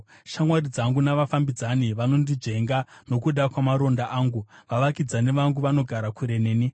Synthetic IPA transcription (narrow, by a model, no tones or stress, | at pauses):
ʃamwarid͡zaŋɡunaʋafambid͡zaniʋano̞ndid͡ʐe̞ŋɡano̞kuɗakwamaɾo̞ndaʔaːŋɡuʋaʋakid͡zane̞ʋaŋɡuʋano̞ɡʱaɾakuɾe̞neːni